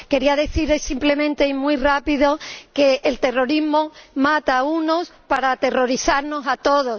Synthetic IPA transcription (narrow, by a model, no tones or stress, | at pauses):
ke̞ɾiaðe̞θiɾesimple̞mẽnt̪e̞imwirapiðoke̞ʔːlt̪e̞ro̞ɾizmomat̪auno̞spaɾat̪e̞ro̞ɾiθaɾno̞sat̪o̞ðo̞s